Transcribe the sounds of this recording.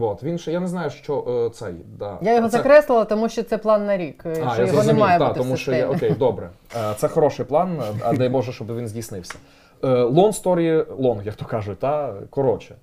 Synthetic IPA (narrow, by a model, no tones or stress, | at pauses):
ʋot̪ʋʲinʃɛjaneznɑjʊʃt͡ʃɔʔt̪sɛjd̪ɑjajɔɦɔzɐkɾɛslˠɪlˠɐt̪ɔmuʃt͡ʃɔt̪sɛplˠɑnːɐɾʲikajajɔznɛmmiɑjɛbd̪aut̪ɪɔmuʃɔɛɔkejd̪ɔbɾɛt̪sɛxɔɾɔʃɪjplˠɑnɐ̰d̪ɛjbɔʒɛʃt͡ʃɔbɪʋʲinzʲdʲijsnɪwsʲɐ̥ | əlˠɔnst̪ɔɾʲilˠɔnɣjɐk̚t̪ɔkɑʒʊt̚ʲd̪ɑkɔɾɔt͡ʃɛ